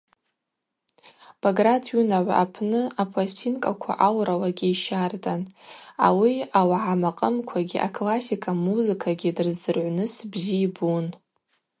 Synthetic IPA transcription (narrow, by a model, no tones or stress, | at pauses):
b̥aɡradʰjunaʕʷa̰apʰnɨapʰastʰinkʼakʷʰa̰ʔawrawaɡʲiiʃartʼana̰wiawaʕamaqʼəmkʷʰaɡʲiʔakʰlasikʰamuzɨkʰaɡʲidɨrzɨrʕʷnɨsbziːbun